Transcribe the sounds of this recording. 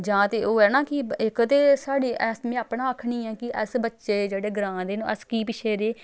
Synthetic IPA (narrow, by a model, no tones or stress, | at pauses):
d͡ʒãːt̪eːʔoːɛːnãːkɪɪkt̪eːsaːɽiːʔɛsmẽːaːpɳãːəkʰɳĩːɛːkɪʔəsbətːʃeːd͡ʒeːɽeːɡɾãːd̪eːnũːəskiːpɪʃʰeːɾeː